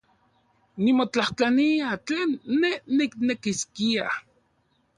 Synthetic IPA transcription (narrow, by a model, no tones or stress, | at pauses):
nimot͡ɬaht͡ɬaniat͡ɬeːnːeːiknekiskia̰